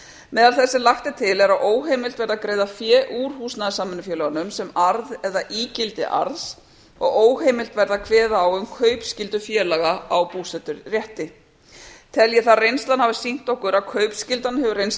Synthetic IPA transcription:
mɛːðalθɛsːɪlaxt̪ɪt̪ʰɪlɛɾawʔoːwɦejmɪlt̪vɛɾðakɾeːjðafjɛːʔuːɾ̥huːsnaðɪsaːmːʏnʏfjɛːlœɣanʏmsɛmaɾðɛðaʔiːcɪlt̪ɪ̰ʔa̰ɾðs | ɔ̰ɣoːwheːjmɪlt̪vɛɾðakʰvɛːðaːwʏmkʰœɥpscɪlt̪ʏfjɛːlaɣaawpuːsɛt̪ʏɾrjɛht̪ɪ | t̪ʰɛljɛθarejnst̪anhavɪsin̥t̪ɔhkʏɾawkʰœːɥpscɪlt̪anhɛvʏɾejns

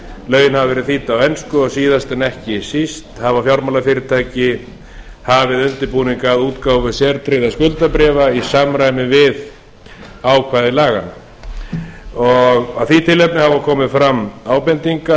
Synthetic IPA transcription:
lœːɥjɪnhavavɛɾɪθiːt̪aːwɛnskʏɔɣsiːðast̪ɛnɛhcɪsist̪havafjawɾmalafɪɾɪt̪ʰaːjcɪ | havɪðʏnt̪ɪɾpuːniŋkaðuːt̪kaːwvɪsjɛɾt̪ɾeːjðaskʏlt̪apɾɛːvaisamɾajmɪvɪð | aːwkʰvaːðɪlaːɣa̰na̰ | ɔɣaðθit̪ʰɪlːɛpnɪhavakʰɔːmɪfɾamːaːwpɛnt̪iŋka

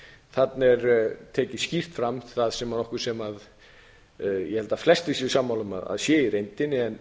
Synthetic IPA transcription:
θat̪nɛɾt̪ʰɛːcɪscir̥t̪fɾamt̪ʰɪ̥θaðsɛmanɔhkʏ̥sɛmað | jɛhɛlt̪aflɛst̪ɪsɪsaːmːawlʏma̰ða̰ðsjɛːiɾejnt̪ɪnːɪɛn

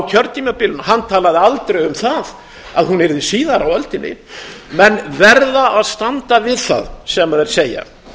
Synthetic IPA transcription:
wcʰœɾt̪ːimapɪlʏnhanːt̪ʰaːlaðɪalt̪ɾejʏmθað | aðhunɛɾðɪsiːðaɾawœlt̪ɪnɪ̰mɛnvɛɾðaʔaðst̪ant̪avɪðθa̰ðsɛmaðɛɾ̥seːja̰

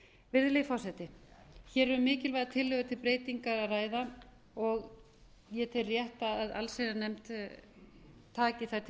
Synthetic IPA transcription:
vɪðlejfɔsɛt̪ɪçɛːɾɛɾʏmɪːcɪlvajðat̪ʰɪlːʏɣðat̪ʰɪlpɾeːjt̪iŋkaɾaraːjða | ɔɣ | jɛt̪ʰɛrjɛht̪aðaða̰lsejðanɛmt̪ | t̪ʰːaːcɪθat̪ʰ

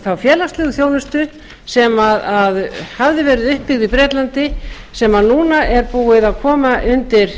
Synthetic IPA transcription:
θawfjɛːlast̪lɪːɣʏθjoːwnʏst̪ʏ | sɛmaðaðhavðɪvɛːɾɪðʏhpːɪɣðipɾɛːt̪lant̪ɪ | sɛmanuːnaʔɛɾpuːɪðaðkʰɔːmaʔʏnt̪ɪɾ̥

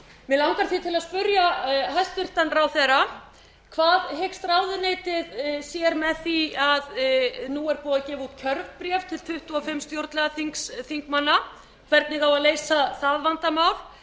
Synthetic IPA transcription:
mɪlawŋkaɾθit̪ʰɪlaðspʏɾjaɦast̪ʏr̥t̪anɾawθɛra | kʰvaːðɦekst̪ɾaːwðʏnejt̪ɪðsjɛɾmɛðθiaðnuɛɾpɔːðacɛːvuːt̪cʰœɾvpɾjɛft̪ʰɪlt̪ʰʏht̪uɔfɪmːst̪jowɾt̪lɛɣaθiŋksθiŋkmanːa | kʰvɛɾt̪nɪɣawaðleːjsaθaðvant̪amawl

